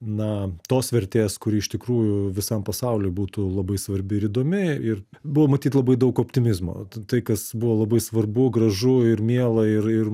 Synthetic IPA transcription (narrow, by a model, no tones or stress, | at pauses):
nɐt̪oːsʋʲɛɾʲt̪ʲeːskʊɾʲɪːɪʃt̪ʲɪkɾuːjʊʋʲɪsɐmpɐsɐʊlʲɛːbuːt̪ʊlˠɐbɐɪsʋɐɾʲbʲɪɪɾid̪oːmʲɪɪr | bʊʋomɐt̪ʲiːt̪lˠɐbɐɪd̪ɐʊkoːpʲt̪ʲɪmʲɪzmo̰ːt̪ɐɪkɐsbʊʋolˠɐbɐɪsʋɐrbʊɡrɐʒʊɪɾmʲiɛlˠɐɪrɪr